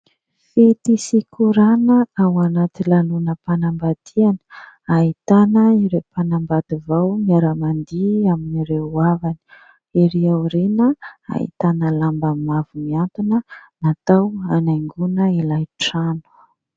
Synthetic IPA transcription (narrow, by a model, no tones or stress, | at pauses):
fet̪isikʰuɾanəawanat̪ilanunəpanambad̪̥ianə̥ | ait̪anəiɾepanambad̪ivawmiaɾamand̪iaminiɾeuavani̥ | iɾiawɾenəa̰ḭt̪anəlambəmavumiant̪unənat̪awanaŋɡunəilajʈ͡ʂanu̥